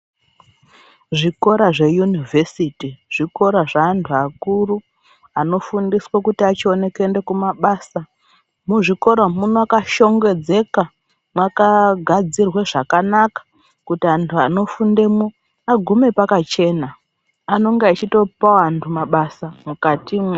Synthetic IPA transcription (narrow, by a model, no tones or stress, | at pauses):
ʐiko̞ɾaʐe̞junivʱesitiʐ̥iko̞ɾaʐaːntʰuakuru | ano̞fundiswakutiat͡ʃio̞ne̞kende̞kumaɓaːsa | muʐiko̞ɾomunoakaʃo̞ŋɡe̞d͡ze̞ka | mwakaɡʱad͡zirwe̞ʐakanakḁ | kutiantʰuano̞funde̞mu | aɡʱume̞pakat͡ʃe̞ːna | ano̞ŋɡeat͡ʃito̞pawantʰumaɓasamukatima